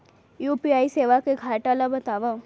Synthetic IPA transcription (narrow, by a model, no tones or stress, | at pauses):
juːpiaːiseːʋakeɡʱaːʈalabɐt̪aːʋa